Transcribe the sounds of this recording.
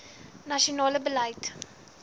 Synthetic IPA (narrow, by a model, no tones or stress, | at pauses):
nɐʃionɑːləbələjt